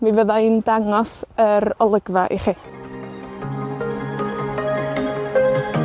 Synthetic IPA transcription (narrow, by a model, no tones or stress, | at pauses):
mivəðaindaŋɔsəɾɔlˠəɡvaʔḭχiː